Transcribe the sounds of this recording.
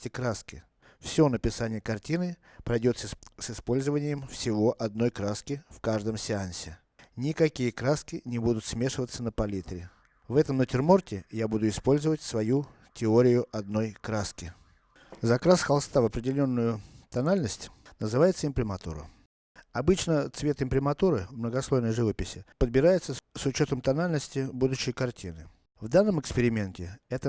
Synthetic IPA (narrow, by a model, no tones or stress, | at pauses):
tʲɪkɾaskʲɪ̰ | fsʲo̞nəpʲɪsanʲɪjəkɐrtʲinɨ | pɾɐjdʲo̞t̪ssɪspo̞lʲzəvənʲɪjəmfsʲɪvo̞ʔɐd̪no̞jkɾaskʲɪfkaʐd̪əmsʲɪansʲɪ | nʲɪkɐkʲijəkɾaskʲɪnʲɪbud̪ʊt̪smʲeʂɨvət̪sːənəpɐlʲit̪ɾʲɪ | vɛt̪əmnətʲɪrmortʲɪjabud̪ʊɪspo̞lʲzəvətʲsvɐju | tʲɪoɾʲɪjʊʔɐd̪no̞jkɾaskʲɪ | zɐkɾasxɐlˠst̪avɐpɾʲɪdʲɪlʲo̞nːʊjʊt̪ɐnalʲnəsʲtʲnəzɨvajɪt̪səɪmpɾʲɪmɐt̪ṵɾə̰ | ɐbɨt͡ɕnət̪svʲe̞t̪ɪmpɾʲɪmɐt̪uɾɨvmnəɡɐslˠo̞jnəjʐɨvəpʲɪsʲɪpəd̪̚bʲɪɾajɪt̪səsʊt͡ɕo̞t̪əmt̪ɐnalʲnəsʲtʲɪbud̪ʊɕːɪjkɐrtʲinɨ | vd̪anːəmɨkspʲɪɾʲɪmʲentʲɪɛt̪ə